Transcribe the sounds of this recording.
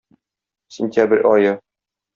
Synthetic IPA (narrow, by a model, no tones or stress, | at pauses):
sʲɪnʲt̪ʲæbɘɾʲʔɒjɤ